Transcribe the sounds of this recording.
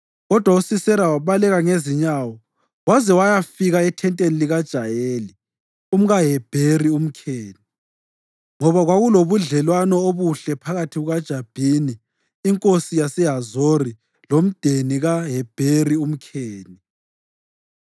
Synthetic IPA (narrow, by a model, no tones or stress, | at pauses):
ɣɔd̥ʱwausisɛɾawaβalɛɣaŋeziɲawɔ | wazɛwajafiɣaɛtʰɛntʼeniliɣad̥ʒ̥ʱajeːli | um̩ɣaɦɛb̥ʱerium̩kʰeːni | ŋɔβaɣwaɣuloβuɮɛlwanɔoβuɬɛpʰaɣatʰiɣuɣad̥ʒ̥ʱab̥ʱiniː | ŋkʼosijasɛɦazori | lom̩d̥ʱeniɣaɦɛb̥ʱerium̩kʰeːni